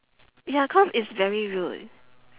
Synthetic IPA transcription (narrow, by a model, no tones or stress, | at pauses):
jakʰɔmɪsvɛɹiɹilḭ